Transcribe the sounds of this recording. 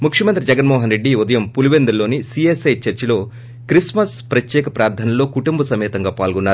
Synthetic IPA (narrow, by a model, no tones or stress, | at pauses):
mukʂjɐmɐnt̪ɾid͡ʒɛɡɐnmɔːɦɐnɾe̞ɖːiud̪ɐjɐmpuluʋend̪ɐloːnisiesɐjt͡ʃɐɾt͡ʃɐlo̞ː | kɾismɐspɾɐt̪jɛːkɐpɾaːɾd̪ʰʱɐnɐlo̞ːkuʈumbɐsɐmɛːt̪ɐŋɡaːpaːlɡɔnːaːɾu